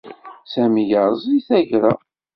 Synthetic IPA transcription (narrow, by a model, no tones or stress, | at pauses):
sæmijəɾzˤiθæʝɾæ